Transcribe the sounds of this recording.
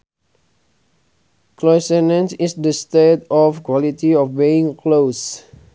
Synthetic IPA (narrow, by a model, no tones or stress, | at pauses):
klɔsɛnə̃nsisdəstetɔfkwɔlit̪iɔfbeĩŋklos